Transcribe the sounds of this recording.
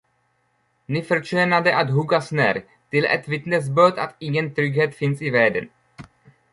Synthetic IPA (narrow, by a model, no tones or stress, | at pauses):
nɪfɛɾt͡ʃɛːnad̪ɛʔat̪ɦuɡasnɛ̰ɾ | t̪ɪlɛ̰t̪vɪt̪nɛs̬bøːt̪a̰t̪iɲɛnt̪ɾʏɡɦɛt̪fɪnsivɛːd̪ən